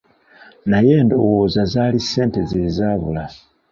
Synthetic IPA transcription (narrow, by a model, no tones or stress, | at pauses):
naje̞ːndo̞wozazalise̞ːntezezaβula